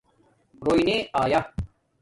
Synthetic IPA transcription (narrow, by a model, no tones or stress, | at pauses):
ɾoːineaːja